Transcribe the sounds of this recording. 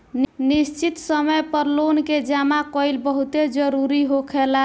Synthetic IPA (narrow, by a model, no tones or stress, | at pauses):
nnist͡ʃit̪səməjpəɾlonked͡ʒamakɔjlbəɦut̪ed͡ʒəɾuɾiɦokʰela